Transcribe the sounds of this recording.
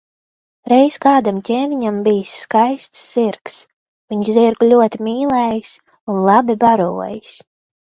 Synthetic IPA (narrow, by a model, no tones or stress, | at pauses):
ɾɛjskaːd̪amcʲɛːvʲiɲambijsːkajst̪sːiɾks | viɲʃziɾɡlʲuɔt̪imiːlˠɛːjis | unlˠɑbibaɾuɔjis